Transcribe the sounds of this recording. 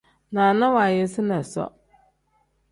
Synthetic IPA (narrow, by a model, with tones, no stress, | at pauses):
nã˨nã˦wa˨jɛ˦sɪ˦nã˨sɔ̰˦